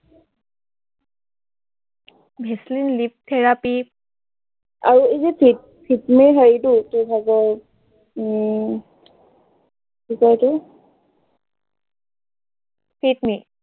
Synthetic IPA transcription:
bʱɛslinlip̚t̪ʰɛɹapi | a̰ɹuizipʰit̚ | pʰitmiɦɔjdutubʰʱaɡɔ | kikɔjtʊ | pʰitmi

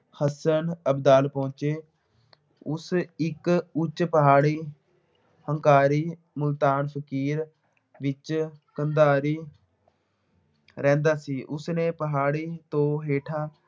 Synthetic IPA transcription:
həsənəbd̪aːlpõːt͡ʃeː | ʊsɪkʊt͡ʃpəɦaːɽiː | həŋkaːɾiː | mʊlt̪aːnpʰəkiːɾ | ʋɪt͡ʃkənd̪aːɾiː | ɾɛ̃ːnd̪aːsiːʔʊsnẽːpəɦaːɽiːt̪õːɦeːʈʰaː

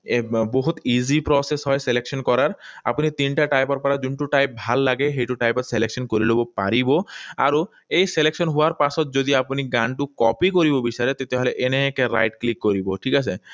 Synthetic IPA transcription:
boɦut̪id͡ʑipɾɔsesɦɔeselekʃonkɔɾaɾa̰pnit̪inʈaʈajpaɾpaɾad͡ʑuɳʈuʈajp̚ːbʱalːaɡeɦejʈuʈajpat̪selekʃɔnkoɾilobopa̰ɾiboa̰ɾo | ejselekʃonɦuaɾpasʰɔt̪̚d͡ʑod̪iapuniɡanʈukɔ̰pikoɾibobiʃaɾet̪et̪eɦoleʔeneekeɾa̰jʈklikːoɾiboʈʰikat͡ɕʰe

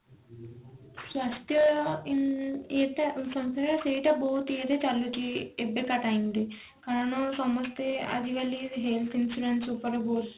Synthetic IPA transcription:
sʋɐst̪ʰjɐ | et̪esɐmst̪ɐɐseːʈɐboːt̪eːt̪et͡ʃɐlːut͡ʃiebːekɐʈɐjind̪i | kɐnɐnosɐmɐst̪eɐ̰d̪iʋɐlːiɦelt̪ʰinsuɖenʈsupɐɾeboːt̪

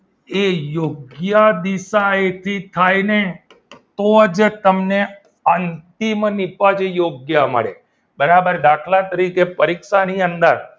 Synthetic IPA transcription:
ejoɡjad̪isaet̪ʰit̪ʰajne | t̪oəd͡ʒt̪əmne | ənt̪imnipad͡ʒejoɡjamə̰ɽḛ | bəɾabəɾɖ̪akʰlat̪əɾikepəɾikʃaniənd̪əɾ

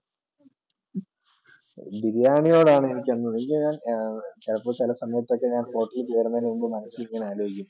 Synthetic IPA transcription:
d̪iɾjaːɳijo̞ːɽaːɳɨenikʲːenːɐeŋɡilɲaːnt͡ɕɐlɐpːoːt͡ɕilɐsɐmjuʋɐt̪ːo̞kːe̞ɲaːnfo̞ːʈːilpeːɐɾɐnːɐnumbɨmɐnɐsiliŋːɐneaːlo̞ːɦikʲːum

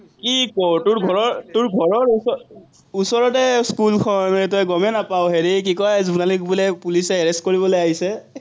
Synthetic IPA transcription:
kikɔɹtʊɹɡʱɔɹɔɹtʊɹɡʱɔɹɔɹusɔ | usɔɹɔtɛskulkʰɔnɹɛtɔjɡɔmɛnapaʊɦeɹik̬ikɔjzunalikbulɛpulisɛaɹestkoɹibɔlojaɦisɛ

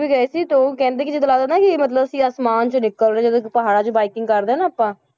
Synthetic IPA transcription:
biɡɛeːsiːt̪õkɛ̃ːnd̪eːkɪd͡ʒeːt̪əlaːd̪aːnaːkɪmət̪ləbəsĩːaːsmaːnt͡ʃonɪkːəlneːd͡ʒəd̪õːkpəɦaːɽaːt͡ʃobaːɪkɪ̃ŋɡkəɾd̪eːnːaːpːãː

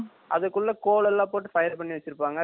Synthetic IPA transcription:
ʔɐðɐkːɯɭːɐkoːlɐlːãːpoːʈ̬ːɯfɐjɐɾpɐɳːiʋɐt͡ʃːɪɾɯpːaːŋɡɐ

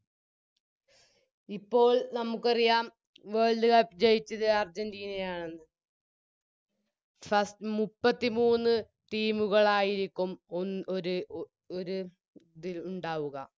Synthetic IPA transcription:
ipːo̞ːɭnɐmukːɐrijaːm | ʋeːɭd̪ɨɣɐpd͡ʑejit͡ɕːɐðɨɐrd͡ʑɐndiːnejaːɳenːɨ | fɐstmupːɐt̪ːimuːnːɨ | t̪iːmuɣɐɭaːjiɾikʲːumonoɾu | oɾu | d̪iluɳɖaːʋuɣɐ̰

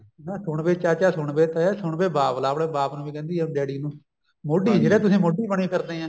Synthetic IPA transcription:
nãːsʊɳbeːt͡ʃaːt͡ʃaːsʊɳbeːt̪ːsʊɳbeːbaːplaːpɽeːbaːpnũːʋiːkɛ̃ːnd̪iːɛ̃ɖɛːɽiːnũː | moːɖiːd͡ʒeːɽɛːt̪ʊsĩːmoːɖiːbəɳiːpʰɪɾd̪ẽːãː

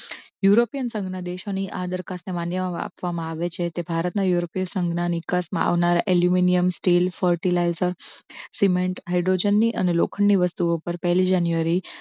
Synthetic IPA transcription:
juɾopijənsə̃ŋɡnad̪eʃoniʔad̪əɾkasnemanjəa̰pʋamãaʋet͡ʃʰet̪ebʱaɾət̪najuɾopijəsə̃ŋɡnanikasmã̰a̰ʋnaɾaʔeljuminijəmsʈilfəɾʈilajzəɾsimẽɳʈɦaejɖɾod͡ʒenːiʔənelo̰kʰəɳːiʋəst̪uopəɾpəɦlid͡ʒanjuʋaɾi

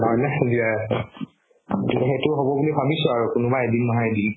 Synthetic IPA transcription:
ɦɔjnazia | ziaxejtʊɦɔbɔbulibʱabisʊaɹukʊnʊbaedinmɔɦaedin

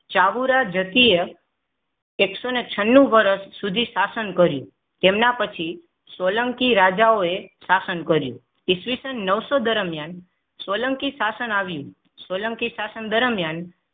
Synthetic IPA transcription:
t͡ʃaʋuɾad͡ʒət̪ie | ksonet͡ʃʰənːũʋəɾəsːud̪ʱisasənkəɾjṵ̃ | t̪emnapət͡ʃʰi | soləŋkiɾad͡ʒaoesasənkəɾjṵ̃ | isʋisənːəʋsod̪əɾəmjan | soləŋkisasənaʋjṵ̃ | sʋoləŋkisasənd̪əɾəmjan

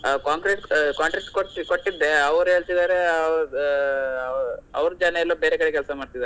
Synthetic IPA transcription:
kaːŋkɾeʈkaːɳʈɾek̚skotkoʈːid̪ːe̞ɐʋɐɾuɦe̞ːɭt̪id̪aːɾe̞ | ɐʋɐɾud͡ʒaːnɐjɛlːobeːɾekɐɽekɛlsɐmaːɖ̚t̪id̪aːɾe

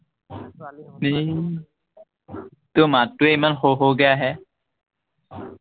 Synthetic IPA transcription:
mi | t̪umat̪ːuemənɦoɦoɡɐjaɦɛː

